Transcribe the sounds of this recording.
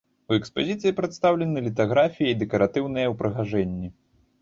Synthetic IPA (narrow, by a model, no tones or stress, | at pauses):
uɛkspazʲit̪sɨjipɾɛt̪st̪awlʲɛnɨlʲit̪aɣɾafʲijɐid̪ɛkɐɾat̪ɨwnɨjɐwpɾɨɣaʐɛnʲːi